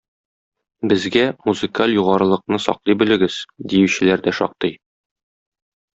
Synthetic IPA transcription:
bɘ̆zɡæmuzɨkalʲjuʁɑɾɤ̆lˠɤ̆q̚nɤsɒ̰qlˠɤjbɵ̆lɘ̆ɡɘz̥d̪ijʉɕɘ̆læɾd̪æʃɒ̰q̚t̪ɤj

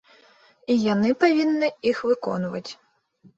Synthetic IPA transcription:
ijɐnɪpɐʋʲinːɪixʋɪkɔ̰nʊʋɐ̰tʲ

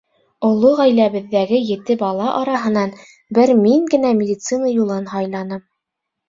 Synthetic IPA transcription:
ŏlˠːoʁæjlæβɘ̆ðːæɡɘjɘ̆t̪ɘbɑlˠɑʔɑɾɑɦɤ̆nɑn | bɘɾmiŋɡɘ̆næmʲɪd̪ʲit̪sɨnɑjulˠɤnhɑjlˠɑnɤm

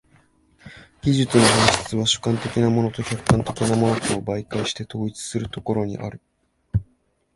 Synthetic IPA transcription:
ɡ̥ʲiʑɨt͡sɨno̞hãɰ̃ɕɨ̥t͡sɨβ̞aɕɨ̥kãnt̪e̞kʲinamo̞not̪o̞çʲakːkãnt̪e̞kʲinamo̞no̞t̪oːbaikaɕi̥t̪e̞t̪o̞ːit͡sɨ̥sɨɾɯ̟t̪o̞ko̞ɾo̞ɲ̟ḭʔa̰ɾɯ̟

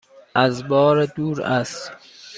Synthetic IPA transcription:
æzbɒːɾed̪uːɾæst̪

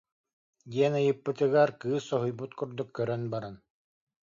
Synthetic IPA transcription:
d̪iɛnɯjɯpːɯt̪ɯɡaɾkɯːsːɔɦujbut̪kuɾd̪ukːœɾœnbaɾan

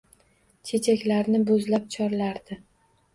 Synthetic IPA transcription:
t͡ʃʰe̞t͡ʃʰakʲlaɾnɪbʊzlap̚t͡ʃʰɒɾlaɾd̪ɪ

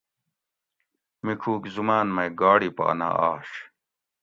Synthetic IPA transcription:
mikʰuːkzumaːnmɐjɡaːɽipa̰ːna̰ːaːɕ

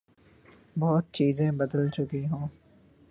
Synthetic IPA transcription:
bɔːt̪̚t͡ʃiːzẽbɐd̪əlt͡ʃʊkiɦũː

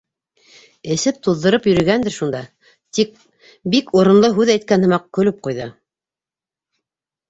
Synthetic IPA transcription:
ɘ̆sɘp̚t̪uðːɤ̆ɾɤpjɵ̆ɾɵ̆ɡænd̪ɘɾʃund̪ɑ | t̪ik̚ | bikuɾɤ̆nlˠɤɦʉðæjt̪̚kænhɤ̆mɑq̚kɵ̆lɘp̚qujðɤ

